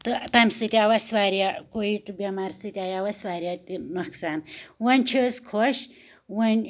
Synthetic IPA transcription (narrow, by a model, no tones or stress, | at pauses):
t̪ɨt̪ɐmʲsɨt̪ʲiaʋɐsʋaːɾijakoiʈ̪ɨbʲɐmaːɾsɨt̪ʲaːjaʋɐsʋaːɾʲat̪inɐksaːnwɐnʲt͡ʃʰiskʰoʃ | ʋɐnʲ